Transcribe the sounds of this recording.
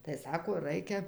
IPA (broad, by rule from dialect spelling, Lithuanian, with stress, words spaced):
tɐɪ ˈsɑːkoː ˈrɐɪkʲɛ